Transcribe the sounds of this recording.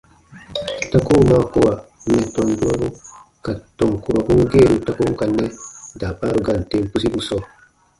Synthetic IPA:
ta˦ko˦˨˦ma˦ko˦˨wa˨ | nɛ˨tɔ˨ndu˦a˦bu˦ | ka˨tɔ˨ŋku˨ɾo˨bu˦ŋ˦ɡe˦˨ɾu˨ta˦ko˦ŋ˦ka˨nːɛ˦da˨ba˦ɾu˨ɡa˨n˨te˦mpu˦si˦bu˨sɔ˦

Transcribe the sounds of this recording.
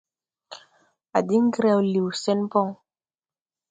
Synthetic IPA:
a˨di˦ŋ˦ɡɾa˦wli˨wsɛ˦npɔ˦ŋ

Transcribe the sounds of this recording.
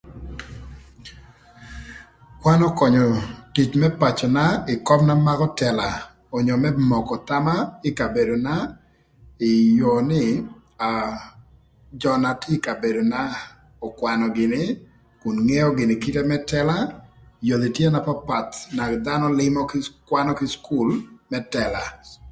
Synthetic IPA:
kwa˦nɔ˦kɔ˨ɲɔ˨ti˨t͡ʃmɛ˦pa˨t͡ʃɔ˨na˦ɪ˨kɔ˦bna˦ma˦kɔ˦tɛ˨la˨ | ɔ˨ɲɔ˨mɛ˦mɔ˨kɔ˨t̪a˦ma˦ɪ˦ka˨be˨do˨na˦ | ɪ˨jo˨nɪ˦ | a˨ | d͡ʒɔ˨na˨tɪ˦ka˨be˨do˨na˦ | ɔ˨kwa˨nɔ˨ɡɪ˨nɪ˦ | kʊ˨nŋɛ˦ɔ˦ɡɪ˨nɪ˨ki˦te˦mɛ˦tɛ˦la˦jo˨d̪i˨tje˦na˨pa˦pa˨t̪na˨d̪a˦nɔ˦lɪ˦mɔ˦kɪkwa˦nɔ˦kɪ˦sku˦lmɛ˦tɛ˨la˨

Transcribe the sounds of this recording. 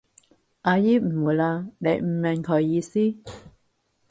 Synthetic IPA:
ʔaː˧jiː˥m̩˨˩wuː˨˩˦jlaː˧ne˨˧jm̩˨˩mɛ˨˩ŋkʰɔ˨˩jːiː˧siː˦˥

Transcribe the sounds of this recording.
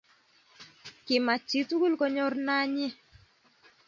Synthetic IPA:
kɪ˨ma˨t͡ʃi˦tu˦ɡu˦lkɔ˦ɲɔ˦ɾna˦ɲɪ˦

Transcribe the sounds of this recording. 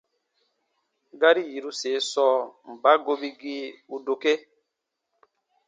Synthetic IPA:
ɡa˦ɾi˦ji˨ɾu˦se˨˦sɔː˦m̩˨ba˦ɡo˦bi˦ɡi˦u˨do˨ke˦

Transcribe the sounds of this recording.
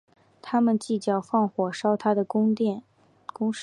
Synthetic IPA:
t̪ʰa˥mə˨nt͡ɕi˥˩t͡ɕjɑ˥˩ʊfɑ˥˩ŋxwɔ˨˩ʂɑ˥ʊt̪ʰa˥d̪ə˨kŋɛ˥˩ | kʊ˥ŋʂ

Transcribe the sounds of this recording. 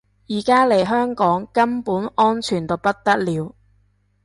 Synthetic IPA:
jiː˨˩kaː˥le˨˩jɦœː˥ŋkɔː˨˥ŋkɐ˥mpuː˨˥nɔː˥nt͡ʃʰyː˨˩nt̪o˨wpɐ˥t̚t̪ɐ˥k̚liː˨˧˥w

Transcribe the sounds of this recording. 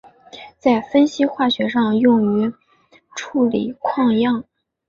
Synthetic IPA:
t͡sa˥˩ɪfə˥nɕi˥xwa˥˩ɕɥɛ˧˥ʂɑ˥˧ŋjʊ˥˩ŋy˧˥ | ʈ͡ʂʰu˥˩lḭ˨˩kʰwɑ˥˧ŋjɑ˥˩ŋ

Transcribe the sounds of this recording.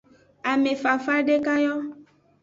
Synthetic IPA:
a˨me˨fa˨fa˦ɖe˦ka˦jɔ˦

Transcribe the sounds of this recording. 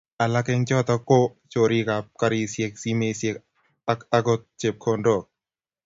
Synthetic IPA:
a˨la˦kɛ˧ŋt͡ʃɔ˦˨t̪ɔ˧ko˦ | t͡ʃo˨ɾi˧˦ka˨p̚ka˧ɾi˧˨se˧k̚si˦me˧sie˨k | a˦ka˧ko˧t̪̚t͡ʃe˨p̚kʰo˧ndo˨k̚

